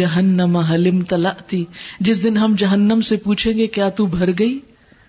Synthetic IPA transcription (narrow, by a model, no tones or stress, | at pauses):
ɐɦənːəmaɦɐlɪmt̪ɐlɐʔt̪ʰiːd͡ʒɪsd̪ɪnɦɐmd͡ʒɐɦənːəmsepuːt͡ʃʰẽːŋɡekjaːt̪ubʱɐɾɡɐiː